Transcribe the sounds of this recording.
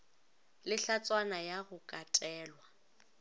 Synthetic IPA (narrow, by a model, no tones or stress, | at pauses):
lɪɬat͡sʼwanajaɣʊkʼatʼɛːlwa